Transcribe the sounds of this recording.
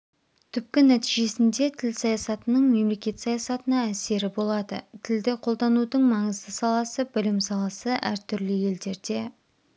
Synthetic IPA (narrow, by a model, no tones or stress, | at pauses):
t̪ʰʏp̚kʲɪnæt̪iʒe̞sɪnd̪e̞t̪ʰɪlsɑjɑsɑt̪ənəɴme̞mle̞kʲe̞t̪sɑjɑsɑt̪ənɑæse̞ɾɪbo̞lˠɑd̪ə̰t̪ʰɪld̪ɪqʰo̞lˠd̪ɑnud̪əɴmɑɴəzd̪əsɑlˠɑsəbɪlɪmsɑlˠɑsəʔæ̰ɾt̪ʰʏɾlɪje̞ld̪e̞ɾd̪e̞